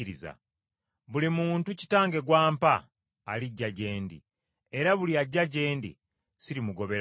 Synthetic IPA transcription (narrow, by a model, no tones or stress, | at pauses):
ɾiza̰ | βulimuːntuci̥taːŋɡe̞ɡwaːmpaː | liɟːaɟe̞ːndḭ | e̞ɾaβuliaɟːaɟe̞ːndḭ | siɾimuɡo̞βe̞ɾ